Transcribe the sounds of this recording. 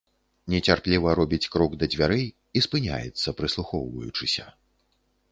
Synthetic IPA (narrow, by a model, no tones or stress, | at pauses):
nʲɛt͡sʲarplʲivɐɾɔbʲit͡sʲkɾɔɡd̪ɐd͡zʲvʲaɾɨ | ispɨnʲa̰jɛ̰t̪sːɐpɾɨslˠuxɔwvɐ̰jut͡ʂɨsʲɐ